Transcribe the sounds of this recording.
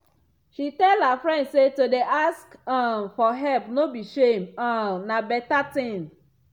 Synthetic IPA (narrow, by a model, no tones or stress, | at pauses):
ʃitɛlhafɹɛ̃ndsetodeʔaskãmfɔɦɛlpnobiʃemãnabɛtatĩn